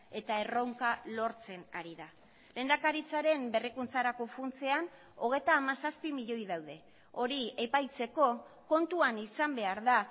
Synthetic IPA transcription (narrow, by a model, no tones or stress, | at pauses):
e̞t̪ae̞ro̞wŋkalo̞ɾt͡se̞na̰ɾiða | le̞ːnd̪akaɾit͡saɾe̞mbe̞rikunt͡saɾako̞funt͡se̞an | o̞ɣ̞e̞jt̪aːmasaspimiʎo̞jðawðe̞ | o̞ɾiepajt͡se̞ko̞ko̞nt̪uanisambe̞aɾða